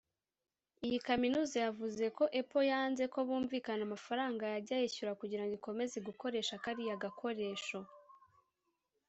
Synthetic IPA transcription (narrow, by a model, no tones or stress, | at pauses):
ijikaminuːzajavuze̞ko̞ʔepo̞jaːnze̞ko̞βuːɱviːkanamafaɾaːŋɡajaɟajeçuɾakuɟiɾaŋɡiko̞me̞zeɡuko̞ɾe̞ːʃakaɾijaɡakʰo̞ɾe̞ːʃo̞